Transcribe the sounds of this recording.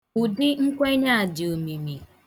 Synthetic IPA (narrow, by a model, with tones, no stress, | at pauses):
u˨dɪ˦ŋ̩˦kʷe˦ɲa˦a˨dɪ˨o˨mi˨mi˨